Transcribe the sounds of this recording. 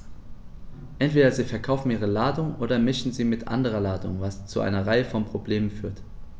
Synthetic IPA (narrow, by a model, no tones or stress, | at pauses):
ʔɛntv̥eːɾɐziːfɛɐkʰaʊfn̩ʔiːʁ̞əlaːdʊŋʔoːdɐmɪʃn̩ziːmɪtʔa̰ndəʁ̞ɐlaːdʊ̰ŋvast͡suʔa̰ɪnɐʁaɪəfɔnpʁ̥obleːmənfyːɐt